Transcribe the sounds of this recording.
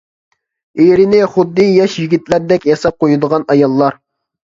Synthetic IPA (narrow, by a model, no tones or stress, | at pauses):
eɾɪnɪχʊd̪ːɨjɑʃjiɡʲit̪læɾd̪ɛkʲjɑsɑp̚qojud̪əʁɑnɑjɑlˠːɑɾ